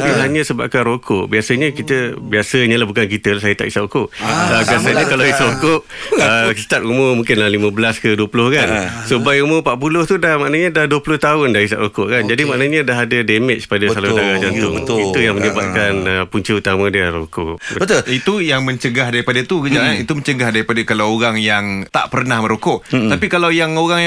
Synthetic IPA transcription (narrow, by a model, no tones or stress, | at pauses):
uŋkɪnlaɲə̃səba̰ʔ̚kanɾokʰʊʔbiasəɲəkit̪əbiasəɲəlahbukank̬it̪əlahsajət̪aʔisaʔukʊʔəbiasəɲəkalaisaʔukʊʔ | əkit̪ak̪umomũŋkɪnlalimə̃bəlaskəduəpulʊhkansubajumõpaʔpulʊht̪udahmaʔnəɲədahduəpulʊht̪aʊndaɾis̬a̰ʔɾokʊʔkand͡ʒadimaʔnaɲədaɦadademɪt͡ʃspadassalaut̪aɡad͡ʒant̪ʊ̰bt̪it̪ujaŋmə̃ɲəbat̪kanəpuɲt͡ʃiut̪amə̃diaɾo̰kʊʔəbət̪oit̪ujaŋmə̃ɲt͡ʃəɡaɦdaɾipadat̪ukəd͡ʒaŋanit̪uməɲt͡ʃəɡahdaɾipadakalawoɾaŋjaŋt̪a̰ʔpərnahmə̃ɾokʊʔ̪apikalawjaŋoɾaŋj